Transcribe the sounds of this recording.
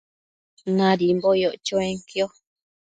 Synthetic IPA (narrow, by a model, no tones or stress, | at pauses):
nãɾimbojoʔt͡ʃoẽŋkjo